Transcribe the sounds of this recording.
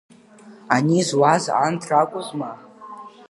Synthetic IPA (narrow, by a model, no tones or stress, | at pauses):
anizwaza̰ntʰrakʷʼʊzma